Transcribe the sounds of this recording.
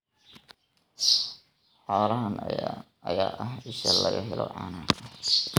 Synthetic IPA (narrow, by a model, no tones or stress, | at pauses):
ħɔːɾɐɦɐn | ɐjaːʔɐɦɪʃɐlɐɣɐ̰ɦɛlɔ̰ʕɑ̰ːnaːt̪ʰɐ